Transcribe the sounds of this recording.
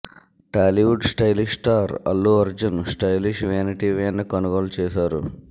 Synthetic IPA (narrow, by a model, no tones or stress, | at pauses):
ʈaːliʋuɖsʈɐjlisʈaːɾɐ̰lːoʋɐɾd͡ʒɐnsʈɐjliʃʋeːniʈiːʋenːɐkɐnuɡoːlt͡ʃɛːʃaːɾṵ